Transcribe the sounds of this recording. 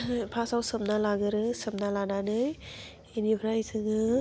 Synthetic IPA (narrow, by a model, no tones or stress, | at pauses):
pʰasawsɯpnalaɡɯɾɯsɯp̚nalananɯj | inipʰɾajsʰɯŋɯ